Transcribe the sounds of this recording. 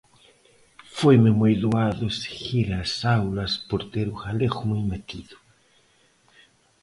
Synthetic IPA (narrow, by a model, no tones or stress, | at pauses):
fojmemujd̪oaðʊsxiɾaːsawlɐspoɾt̪eɾʊxalexʊmujmet̪iðʊ